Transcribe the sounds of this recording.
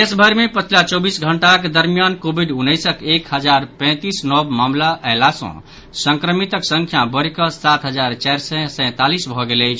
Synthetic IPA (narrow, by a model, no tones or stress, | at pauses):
esbʱəɾmepət͡ʃʰilat͡ʃɔbisɡʱəɳʈakd̪əɾmijankobʱiɖunːəjsəkekɦəd͡ʒaɾpɛ̃t̪isnɔbmamlaʔaelasə̰̃ | sə̃ŋkɾəmit̪əksə̃ŋkʰjabəɾkəsat̪ɦəd͡ʒaɾt͡ʃajɾsɛsə̃t̪alisbʱɔɡeləjt͡ʃʰ